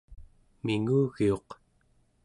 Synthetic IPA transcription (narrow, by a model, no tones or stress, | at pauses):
miŋuːɣio̞q